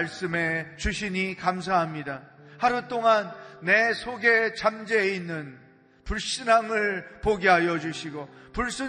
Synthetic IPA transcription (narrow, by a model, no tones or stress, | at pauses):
ɭs͈ɯme̞t͡ɕuɕʰiɲikams̬ʰaɦamɲidahaɾut͈oŋanːe̞sʰoɡe̞t͡ɕamd͡ʑeinːɯn | puɭɕ͈inaŋɯɭpoɡiɦajʌd͡ʑuɕʰiɡopuɭs͈ɯ